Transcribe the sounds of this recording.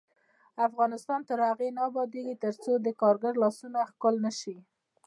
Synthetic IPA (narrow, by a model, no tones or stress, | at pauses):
afɣɑnɪst̪ɑnt̪əɾhaɣenɑbɑd̪eɡit̪əɾt͡sod̪əkɑɾɡaɾlɑsunaxkʊlnaʃi